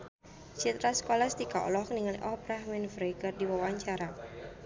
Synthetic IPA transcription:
t͡ʃit̪ɾasə̥kolast̪ikaɔ̰lɔhkniŋalḭʔɔhbɾahmɛnfɾeɡərdiwawaɲt͡ʃaɾa

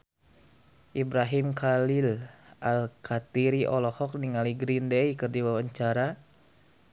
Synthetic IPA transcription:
ʔibɾaɦimkalilʔalkʰat̪iɾiʔɔlɔhɔk̚niŋaliɡɾindɛikɨrdiwawaɲt͡ʃaɾa

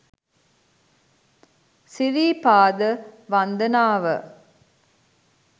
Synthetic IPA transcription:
siɾiːpaːd̪əʋand̪ənaːʋə

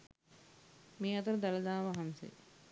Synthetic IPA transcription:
meːɐt̪əɾəd̪aləd̪aːʋaɦansḛ

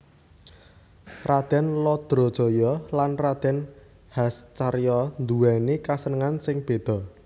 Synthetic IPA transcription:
rad̪̥ɛ̤nlɔd̪̥ɾɔ̤d̥ɔ̤jɔlanrad̪̥ɛ̤n | hast͡ʃaɾjɔnd̪uwɛnekasənəŋansɪŋb̥e̤d̪̥ɔ̤

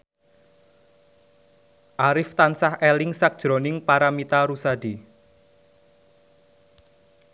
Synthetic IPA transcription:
ʔaɾɪft̪ansahelɪŋsak̚d̥ʒ̥ɾonɪŋpaɾamit̪aɾusad̥i

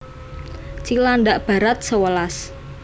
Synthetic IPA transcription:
t͡ʃilandaʔb̥a̤ɾat̪̚səwəlas

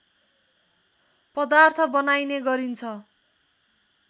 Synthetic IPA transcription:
pʌd̪art̪ʰʌbʌnajneɡʌɾint͡sʰʌ

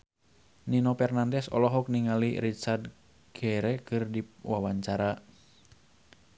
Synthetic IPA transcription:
ninɔpɛrnandɛsɔ̰lɔɦɔk̚niŋalirit͡ʃard | ɡ̥ɛɾɛkɨrdiwawaɲt͡ʃaɾa

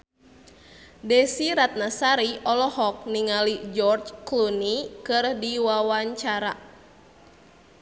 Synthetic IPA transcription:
dɛsiɾat̪̚nasaɾiʔɔlɔhɔk̚niŋalid͡ʒɔrt͡ʃklunikɨrdiwawaɲt͡ʃaɾa̰

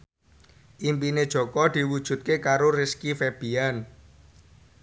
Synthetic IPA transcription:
ʔimpined̥ʒ̥ɔ̤kɔd̪̥i̤wud̥ʒ̥ṳt̪̚kekaɾorɪskifeb̥i̤an

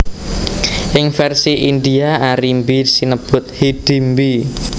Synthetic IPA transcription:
ʔɪŋfɛrsiʔind̪iaaɾimbisinəb̥ʊ̤t̪̚hid̪̥i̤mbi

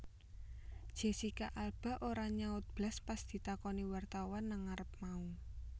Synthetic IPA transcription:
d̥ʒ̥e̤sikaʔalb̥ä̤ʔoɾaɲaʊt̪̚b̥laspasd̪̥i̤t̪akɔniwart̪awanːaŋaɾəp̚mau

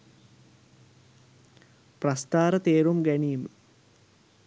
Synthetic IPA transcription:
prɐst̪aːɾɐt̪eːɾumɡæɳiːmɨ

